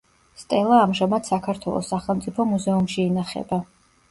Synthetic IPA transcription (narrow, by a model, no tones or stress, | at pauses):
st̪ʼɛlˠaːmʒamad̪̥sakʰaɾt̪ʰwɛ̰lˠɔ̰sːaχɛlˠmt̪sʼipʰɔmuzɛumʃiːnaχɛ̰ba